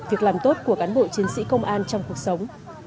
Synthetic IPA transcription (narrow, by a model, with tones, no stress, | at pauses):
vi˨˩ək̚laː˨˩mt̪o˦˥t̚ku˧˩əkaː˨˦nɓo̰˧˨t͡ɕi˨˦ənsḭ˧˥kə˧wŋ͡mʔaː˧nt͡ɕɔ˧wŋ͡mku˨˩ək̚sə˨˦wŋ͡m